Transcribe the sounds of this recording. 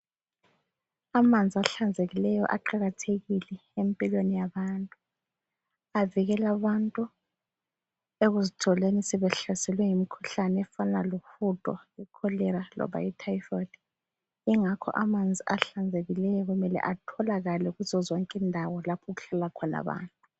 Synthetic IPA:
amand͡zʱiaɬand͡zʱeɣilɛjɔ̰ʔa̰ǃaɣatʰeɣilɛempʼilwenijaβantʼu | aviɣɛlaβantʼu | eɣuzitʰɔlenisɛβɛɬasɛlwɛjimikʰuɬanɛɛfanalufutʼɔɛkʰɔlɛɾalɔ̰βa̰itʰajfɔdi | iŋakʰɔ̰ʔamand͡zʱiaɬand͡zʱeɣilɛjɔɣumɛlɛ̰ʔatʰɔlaɣalɛɣuzɔzɔŋkʼindʱawɔlapʰɔɣuɬalakʰɔna̰βa̰ːntʼu

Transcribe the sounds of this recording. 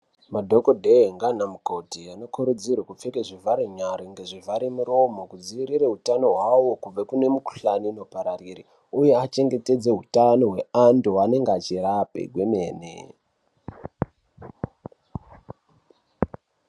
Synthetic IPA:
madʱo̞kodʱeŋɡanamukodʱiano̞kuɾud͡zirwakup͡fekeʐivʱaɾiɲaɾiŋɡeʐivʱaɾimuɾo̞mo̞kud͡ziiɾireɦutano̞ɦwawo̞kub͡vakune̞muku̥ɬanino̞paɾariri | uje̞at͡ʃe̞ŋɡe̞te̞d͡ze̞ɦutano̞ɦwe̞anduwane̞ŋɡeat͡ʃirapḛɡʱwemeːnḛ

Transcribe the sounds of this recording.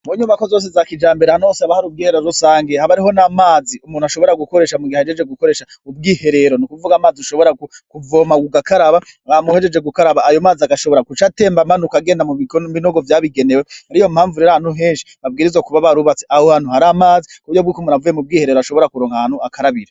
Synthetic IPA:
muɲumakozo̞ːs̬ezakid͡ʒaːmbeɾahanuoseaβahaɾub̚ɡiːheɾeɾoɾusaːŋɡehaβaɾiɦo̞namaːziumuːnuaʃo̞βo̞ɾaɡuko̞ɾe̞ːʃamuɡihaed͡ʒed͡ʒe̞ɡuko̞ɾeːʃaubɡiːhe̞ɾe̞ɾo̞nikuvuɡaːmaːziuʃo̞βo̞ɾaɡukuvo̞ːmaɡuɡakaɾaβa | ŋamuhed͡ʒe̞d͡ʒe̞ɡukaɾaβaːjo̞maːziaɡaʃo̞βo̞ɾakut͡ʃate̞ːmbamanukaɡe̞ːndamuβikobinoɡovjaβiɡe̞newehaɾijo̞m̥haːɱvuɾeɾahanhuɦe̞ːnʃi̥βab̚ɡiːɾizwakuβaβaɾuβat͡se̥ʔahohan̥huhaɾaːmaːzikuβuɾjobɡikumuːnavujemub̚ɡiːhe̞ɾe̞ɾoaʃo̞βo̞ɾakuɾoːŋhahaːn̥huakʰaɾaβiɾa

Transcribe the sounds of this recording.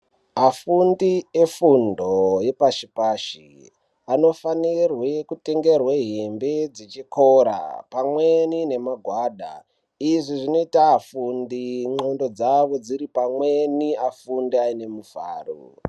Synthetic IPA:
afundiefundo̞je̞paʃipaʃi | ano̞fanirwe̞kute̞ŋɡe̞rweɦembed͡zet͡ʃikoɾa̰pamwe̞nine̞maɡʱwaːɗa̰ | iʐiʐino̞itafundiŋ͡ǃondo̞d͡zaʋo̞d͡ziɾipamwe̞niafundiaine̞mufa̰ːrṵ

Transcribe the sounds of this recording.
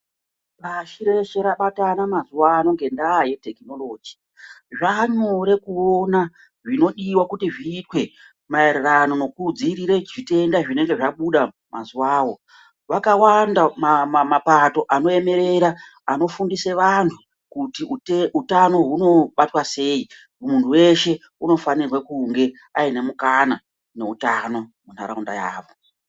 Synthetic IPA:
paʃiɾe̞ʃe̞ɾaɓatanamazuwaːno̞ŋɡe̞ndaːje̞te̞kino̞lo̞ːd͡ʒi | ʐaɲoɾe̞kuo̞na | ʐino̞ɗiwakutiʐiːtwe̞ | maererano̞no̞kud͡ziɾiɾeʐite̞ndaʐine̞ŋɡe̞ʐaɓuɗa | ma̰zuwaːwo̞ | ʋakawandammmapato̞ʔano̞e̞me̞ɾe̞ɾa | ano̞fundise̞ʋantʰu | kutiutano̞ɦuno̞ɓatwase̞ːi | muntʰuwe̞ʃe̞ | uno̞fanirwakuŋɡe̞ | aine̞mukana | ne̞utano̞mun̤a̰ɾaunda̰ja̰ːʋo̞

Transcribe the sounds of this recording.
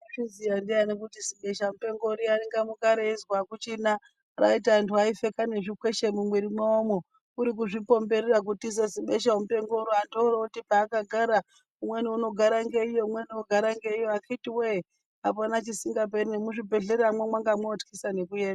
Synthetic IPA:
ʐizijandianik̬utiziɓe̞ʃamupe̞ŋɡo̞ɾianiŋɡamukaɾeizwakut͡ʃina | ra̰itaːntʰuaife̞kane̞ʐikwe̞ʃemumwiɾimwaomo̞ | uɾik̬uʐipo̞mbe̞ɾerak̬utiseziɓe̞ʃaomupe̞ŋɡo̞ɾiandorokutipaːkaɡʱaɾa | umwe̞niuno̞ɡʱaɾaŋɡe̞ijo̞mwenioɡʱaɾaŋɡe̞ijoakʰaitiwe | apanat͡ʃisiŋɡap̬erinemuʐibʱe̞ɮeɾamwemwaŋɡamweotkʰisane̞kujeːnda

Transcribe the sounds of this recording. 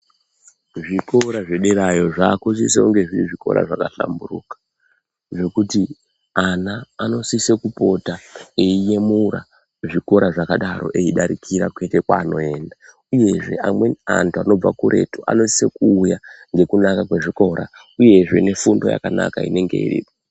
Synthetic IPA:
ʐiko̞ɾaʐeɗeɾajo̞ʐaːkusis̬euŋɡe̞ʐiɾiʐiko̞̰ɾa̰ʐakaɬa̰mburukḁ | ʐe̞kuti | anaːno̞sisekupo̞taeije̞muɾa̰ | ʐiko̞ɾʔaʐakaɗaɾo̞̰ʔe̞iɗaɾikʰiɾa̰kwe̞te̞kwaːno̞e̞ːnda | uje̞ʐe̞amwe̞a̰ntuano̞b͡vakuɾʔe̞̰tuʔa̰no̞si̥sekuːjaŋɡe̞kunakakwe̞ʐiko̞ɾʔa̰ | uje̞ʐe̞ne̞fundo̞̰ja̰kana̰kaḭne̞ŋɡe̞̰ḭrḭːpo

